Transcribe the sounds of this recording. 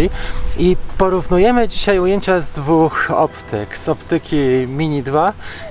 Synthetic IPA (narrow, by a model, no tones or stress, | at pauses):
ipɔɾuvnujɛmɘd͡ʑiɕajujeɲt͡ɕazd̪vuxɔ̰pt̪ʰɘkz̥ɔpt̪ɘkʲimʲiɲid̪va